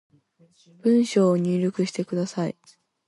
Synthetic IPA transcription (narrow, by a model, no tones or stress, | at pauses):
b̥ɯ̟̃ɰ̃ɕo̞ːɲ̟ʲyːɾʲokɯ̟ɕi̥t̪e̞kɯ̟d̪asaḭ